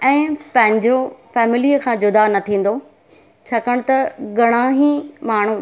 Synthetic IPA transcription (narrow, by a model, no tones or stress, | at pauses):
ɛ̃ːpɐ̃ɦɪ̃ɲd͡ʑofɛːmɪlijəkʰãːd͡ʑʊd̪anɐt̪ʰĩːn̆d̪o | t͡ɕʰɐkəɽ̃t̪ɐɡɐɽ̃ãɦimaːɳ̤ũ